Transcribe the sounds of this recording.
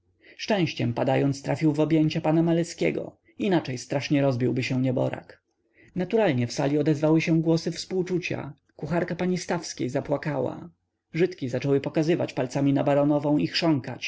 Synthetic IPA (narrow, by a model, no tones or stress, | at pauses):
ʂt͡ʂɛ̃w̃ɕt͡ɕɛmpad̪ajɔnt̪st̪ɾʔafʲiwvɔbʲjɛɲt͡ɕapanamalɛskʲɛ̰ɡɔ̰ | inat͡ʂɛjst̪ɾaʂɲɛɾɔzbʲiwbɘɕɛɲɛbɔ̰ɾa̰k | nat̪uɾalɲɛfsalʲiɔd̪ɛzvawɘɕɛ̃ɡwɔsɘfspuwt͡ʂut͡ɕa̰ | kuxaɾkapaɲist̪afskʲḛjzapwakawa̰ | ʐɘt̪kʲizat͡ʂɔwɘpɔkazɘva̰t͡ɕpalt̪samʲinabaɾɔnɔvɔ̃w̃ixʂɔŋka̰t͡ɕ